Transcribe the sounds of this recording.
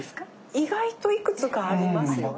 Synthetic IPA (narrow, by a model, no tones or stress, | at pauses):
s | iɡait̪o̞ikɯ̟t͡sɨkaːɾʲimasɨj